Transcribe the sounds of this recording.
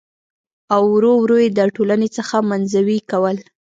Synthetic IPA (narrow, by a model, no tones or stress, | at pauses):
awɾowɾojed̪əʈolanet͡səxamanzawikawəl